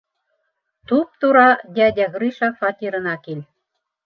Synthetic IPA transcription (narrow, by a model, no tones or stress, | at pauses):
t̪up̚t̪uɾɑd̪ʲæd̪ʲæɣɾiʃɑkfɑt̪ʲiɾɤ̆nɑkelʲ